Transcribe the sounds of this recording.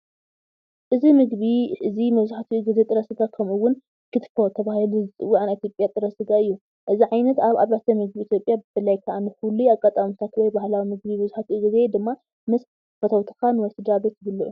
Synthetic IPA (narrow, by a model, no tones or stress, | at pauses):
ʔɨzimɨɡβiʔɨzimɐβzuħat̪ʰiɡɨzet̪ʼɨɾɐsɨɡakʰɐmuwʊn | kʰɨt̪fot̪ʰɐβahiluzɨt͡sʼɨwːuanit̪ʰjopʼjat̪ʼɨɾɐsɨɡaɨjːu | ʔɨziʕajnɐt̪aβa̰βɾat̪ʰɐmɨɡbiːt̪ʰjopʼjabɨbɨlajkʰaʔanɨxuluaɡʼat̪ʼamut̪ʰat̪wɔjbahlawimɨɡbibɐzuħat̪ʰiɡɨze̞d̪ɨmːa | mɨs | fɐt̪ʰɐwt̪ʰɨ̥kanwɔjsɨd̪ɾabet̪bɨlːuʔu